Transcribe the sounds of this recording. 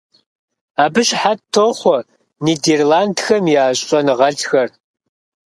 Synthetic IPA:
aːbɨɕħatʰːoːχʷɔ | niːderlaːndxɐmjaːɕʼɐnɨʁɐɮxɐr

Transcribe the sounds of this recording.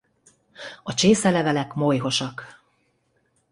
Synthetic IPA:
ɒt͡ʃeːsɛlɛvɛlɛkmo̞jɦo̞ʃɒk

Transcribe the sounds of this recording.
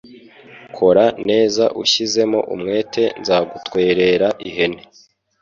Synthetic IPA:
kʰo̞ɾane̞ːzaʔṵʃize̞mo̞̰ʔṵmŋe̞ːtʰe̞nzaːɡutwe̞ːɾe̞ɾaʔiɦe̞ne

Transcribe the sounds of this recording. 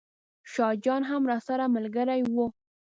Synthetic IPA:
ʃɑd͡ʒɑnɦamɾɑsaɾamalɡəɾajwu

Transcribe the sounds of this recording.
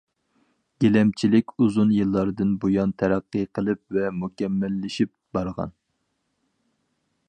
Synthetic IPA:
ɡ̥ʲelɛmt͡ʃʰilɪkʲuzunjɨlˠːɑɾd̪ɨnbojɑnt̪ʰæɾæqːəqʰəlˠɨp̚vɛmukʲɛmːɛlːɪʃip̚ | b̥ɑɾʁɑ̰n

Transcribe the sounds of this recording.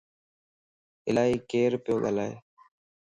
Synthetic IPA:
ɪlaːiːkeːɾpɪjoːɠa̰ːlaːḛː

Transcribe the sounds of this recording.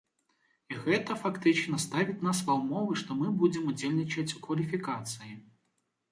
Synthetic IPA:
iɣɛt̪ɐfakt̪ɨt͡ʂnɐst̪avʲit͡sʲnasvawmɔvɨʂt̪ɔmɨbud͡zʲɛmud͡zʲelʲnʲit͡ʂɐt͡sʲukvɐlʲifʲikat̪sɨji

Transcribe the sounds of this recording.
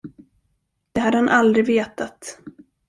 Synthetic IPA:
d̪̥ɛɦad̪əhanʔald̪ɾɪveːt̪at̪

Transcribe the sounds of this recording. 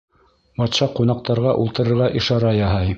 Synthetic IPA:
bɑt̪ʃɑqunɑq̚t̪ɑɾʁɑʔulˠt̪ɤ̆ɾɤ̆ɾʁɑʔĭʃɑɾɑjɑɦɑj

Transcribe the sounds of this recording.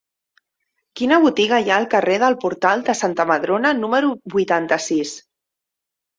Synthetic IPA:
kinəβ̞ut̪iɣəjaəlˠkəreðəlˠpuɾt̪alˠd̪əsant̪əməðɾonənuməɾubujt̪ant̪əsis

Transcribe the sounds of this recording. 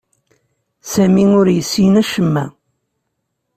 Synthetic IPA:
sæmiʊɾjəsːinæʃəmːæ

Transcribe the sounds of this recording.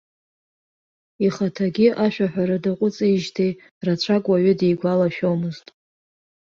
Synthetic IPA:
iχatʰaɡʲɪʔaʃᶣaħʷᶣaɾadaqʷʼʊt͡sʼiiʒtʰej | rat͡ʃʷʰakʼwaɥʏde̞jɡʷalaʃᶣowmɨztʼ

